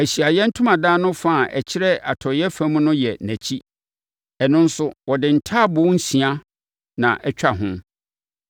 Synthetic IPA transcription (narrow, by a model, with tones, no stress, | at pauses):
æ˨ɕi˨a˨jɛ˦n̩˦tʰʊ̃˦mã˨daː˦nʊ̃˦fã˦˨ʔɛ̰˨t͡ɕʰɪ˦ɾɛ˦a̰˨tʰɔ˨jɛ˦fæ̃˦m̃˦nʊ̃˦jɛ˨næ̃˨t͡ɕʰi˦ | ɛ˨nʊ̃˦n̩˦sʊ˦wɔ˨dɪ˨n̩˨tʰa˦˨bʊ˦n̩˦sĩ˨a˦ | nã̰˨ʔɛ˦t͡ɕᶣa˦˨ɦʊ̃˦